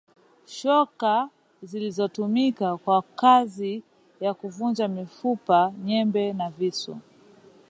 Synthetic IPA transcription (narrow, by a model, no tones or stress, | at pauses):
ʃɔka | zilizɔtumikakwakazi | jakuvund͡ʒamifupaɲɛmbɛnavisṵ